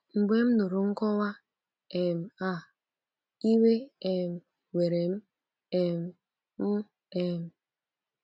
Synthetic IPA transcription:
ŋ͡m̩˨ɡ͡be˦m̩˦no˨ɾu˨ŋ̩˦kɔ˦wa˦ | e˨m̩˨a˦˨ | i˦we˦e˨m̩˨ | we˨ɾe˨m̩˦ | e˨m̩˨ | m̩˦ | e˨m̩˨

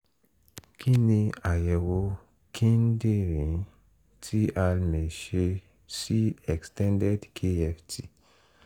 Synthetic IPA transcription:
kʰi˦nĩ˧a˨jɛ˨wo˧ | kʰĩ˦n˦de˦˨ɾĩ˨˦ | tʰi˦ʔa˧lme˨ʃe˧ | si˦ɛ˨kstɛ̃˦ndɛ˦dkʰe˦ɛ˧fti˦˨

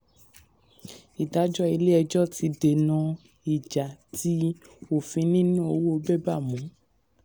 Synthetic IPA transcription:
i˨da˨˦d͡ʒɔ˦i˧le˦ɛ˧d͡ʒɔ˦˨ti˧de˨nã˧ | i˨d͡ʒa˨ti˨˦o˨fĩ˧nĩ˦nũ˦o˧wo˦o˧bɛ˦ba˦˨mũ˨˦

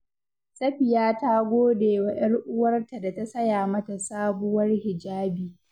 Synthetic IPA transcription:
sʼɐ˦ɸɪ˨jaː˦taː˦ɡʷoː˦deː˨wa˨ʔɐ˦rʔʊ˦wɐ˦rta˨da˨ta˦sɐ˦jaː˨mɐ˦ta˨saː˦bʊ˦wɐ˦rhɪ˨d͡ʒaː˦biː˨

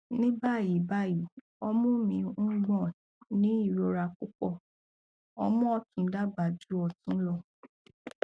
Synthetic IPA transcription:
nĩ˦ba˦˨ji˨˦ba˦˨ji˨ | ɔ˧mɔ̃˦mĩ˧ũ˦ɡ͡bɔ̃˦˨ | nĩ˨˦i˦˨ɾo˧ɾa˧ku˦k͡pɔ˦˨ | ɔ˧mɔ̃˦ɔ˦˨tũ˨˦da˦˨ɡ͡ba˨d͡ʒu˨˦ɔ˧tũ˦lɔ˧

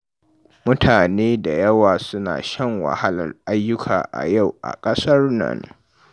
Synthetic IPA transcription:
mʊ˦tʰaː˨neː˦da˨jɐ˦waː˨sʊ˦na̰ː˨ʃɐ˦˨ŋwɐ̰˨ha˦lɐ̰˨rʔa˦jːʊ˦kʰaː˨ʔa̰˨ja˦˨wʔa̰˨kʼɐ˦sɐ˦rnɐ̰˨n

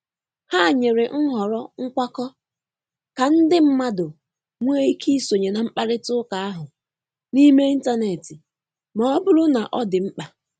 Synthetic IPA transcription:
ha˦˨ɲe˨ɾɪ˨ŋ̩˦ɦɔ˨ɾɔ˦ŋ̩˦kʷa˦kɔ˦ | ka˨n̩˦dɪ˦m̩˦ma˦dʊ˨ | ŋʷe˦i˦kʰi˦so˨ɲe˨na˨m̩˦k͡pa˦ɾɪ˦tʊ˦ka˨a˦ɦʊ˨ | ni˦me˦i˦n̩˦ta˦ne˨tɪ˨ | mɔ˨ɔ˦bʊ˦ɾʊ˦na˨ʔɔ˦dɪ˨m̩˦k͡pa˨

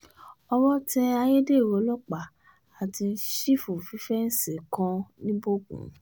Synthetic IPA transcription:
ɔ˧wɔ˦tɛ˦a˧je˦de˦˨wo˨˦lɔ˦k͡pa˨ | a˨tĩ˧n̩˦ʃi˦fu˨fĩ˨˦fɛ˦n̩˦si˨kã˧nĩ˦bo˦ɡṵ̃˨

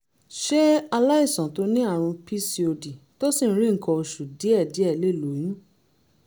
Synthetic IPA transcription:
ʃɛ˦a˧la˦ĩ˦˨sɔ̃˨to˨˦nĩ˦a˦˨ɾ̃ũ˧pi˦si˧o˧di˨ | to˦sĩ˦˨˦ɾĩ˦ŋ̩˨kʰɔ̃˧o˧ʃu˨di˨˦ɛ˦˨di˨˦ɛ˦˨le˦˨lo˨˦jĩ˨ĩ˦

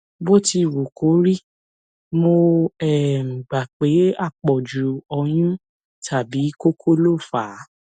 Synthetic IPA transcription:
bo˦ti˧˨wo˨kʰo˨˦ɾi˦ | mo˧ɛ˨m̩˨ɡ͡ba˨k͡pe˨˦a˦˨k͡pɔ˨d͡ʒu˨ɔ˧j̃ũ˦ | tʰa˨bi˨˦ko˦kʰo˦lo˦˨faː˨˦

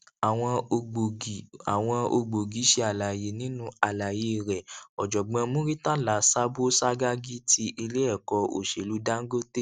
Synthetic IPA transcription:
a˨w̃ɔ̃˧o˧o˨a˨w̃ɔ̃˧o̰˧ɡ͡bo˨ɡi˨˦ʃe˧˦a˨la˨je˨˦nĩ˨˦nũ˦a˨la˨je˧˦˨ɾɛ˨ɔ˨d͡ʒɔ˨ɡ͡bã˧mõ˦ɾi˦ta˦˨la˨˦sa˦bo˦sa˦ɡa˦ɡi˦tʰi˧ʔi˧le˦ɛ˦˨kɔ˨˧o̰˨ʃe˨lu˨˦da˦ŋ̩˦ɡo˦te˦

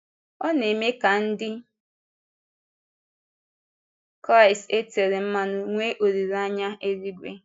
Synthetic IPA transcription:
ɔ˦ne˨me˦ka˨n̩˦dɪ˦ | kɾa˦˨ɪ˨ste˦te˨ɾe˨m̩˦ma˦nʊ˨ŋʷe˦ʔo˨ɾi˨ɾa˦ɲa˦ʔe˦ɾi˦ɡʷḛ˦

